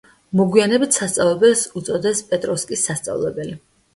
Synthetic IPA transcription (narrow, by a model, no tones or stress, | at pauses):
mɔɡwianɛbit̪ʰsast̪sʼavlˠɛbɛlsut̪sʼɔd̪ɛspʼɛt̪ʼɾɔskʼisːast̪sʼa̰vlˠɛ̰bɛli